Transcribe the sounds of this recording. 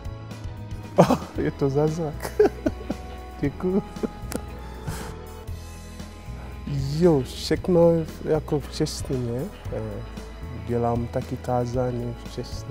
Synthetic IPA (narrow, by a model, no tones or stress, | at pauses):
ʔajɛt̪ozazɾak | ɟɛkuju | joʃɛknojakoft͡ʃɛst̪ɛɲɛ | ɟɛlaːmt̪akit̪aːzaːɲoft͡ʃɛsɛ